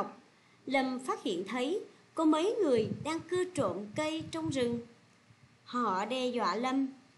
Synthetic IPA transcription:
wk͡p̚ | lə˨˩mfaː˦˥t̚hḭ˧˨ənt̪ʰə˨˦j | kɔ˨˦mə˨˦jŋɨ˨˩əjɗaː˧ŋkɨ˧ət͡ɕo̰˧˨nkə˧jt͡ɕɔ˧wŋ͡mzɨ˨˩ŋ | hɔ̰˧˨ɗɛ˧˩zwa̰ː˧˨lə˧m

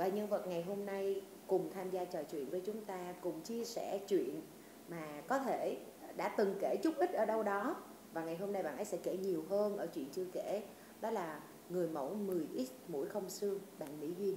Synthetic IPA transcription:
vaː˨˩ɲə˧nvə˨˩t̚ŋa˨˩jɦo˧mna˧j | kʊ˨˩ŋ͡mt̪ʰaː˧mzaː˧t͡ɕəː˨˩jt͡ɕwḭ˧˨ənvəː˨˦jt͡ɕʊ˨˦ŋ͡mt̪aː˧kʊ˨˩ŋ͡mt͡ɕi˧əsɛ̰˧˩t͡ɕwḭ˧˨ən | maː˨˩kɔ˨˦t̪ʰe˧˩ | ɗa̰ː˧˥t̪ɨ˨˩ŋke˧˩t͡ɕʊ˦˥k͡p̚ʔï̟˦˥ʔəː˧˩ɗə˧wɗɔ˨˦ | vaː˨˩ŋa˨˩jɦo˧mna˧jɓa̰ː˧˨nə˨˦jsɛ˧˥ke˧˩ɲi˨˩əwɦəː˧nʔəː˧˩t͡ɕwḭ˧˨ənt͡ɕɨ˧əke˧˩ | ɗɔ˨˦laː˨˩ | ŋɨ˨˩əjmə̰˧˥wmɨ˨˩əjʔi˦˥t̚mṵ˧˥jxə˧wŋ͡msɨ˧əŋɓa̰ː˧˨nmḭ˧˥vi˧ən

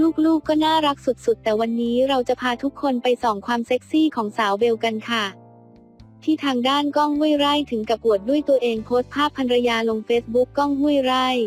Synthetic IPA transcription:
luː˥˩k̚luː˥˩kːɔː˥˩naː˥˩ɾa˦˥k̚su˨˩t̪̚su˨˩t̪ːɛː˨˩wa˧nːiː˦˥ɾa˧wt͡ɕa˨˩pʰaː˧t̪ʰu˦˥kʰːo˧npa˧jsɔː˩ŋkʰwaː˧mseː˦˥k̚siː˥˩kʰɔː˩˦ŋsaː˩˦wbe˧wka˧nkʰa˥˩ | t̪ʰiː˥˩t̪ʰaː˧ŋdaː˥˩nkɔ˥˩ŋhu˥˩əjɾa˥˩jt̪ʰɯ˩˦ŋka˨˩pu˨˩ət̪̚du˥˩əjt̪u˧ɐʔeː˧ŋpʰoː˦˥st̪̚pʰːaː˥˩pʰːa˧nɾa˧jaː˧lo˧ŋfeː˦˥t̪̚bu˦˥kːɔ˥˩ŋhu˥˩əjɾa˥˩j

